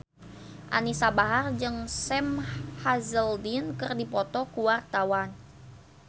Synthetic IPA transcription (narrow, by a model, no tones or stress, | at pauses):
ʔa̰nisabaɦard͡ʒɨŋsɛmhazəldinkɨrdipɔt̪ɔkuwart̪awan